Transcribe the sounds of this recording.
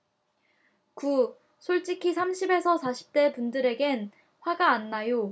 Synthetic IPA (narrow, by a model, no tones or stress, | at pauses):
ku | sʰoɭt͡ɕ͈ikʰisʰamɕʰibe̞sʰʌsʰaɕʰi̥p̚t͈e̞pundɯɾe̞ɡe̞n | ɸwaɡaːnːajo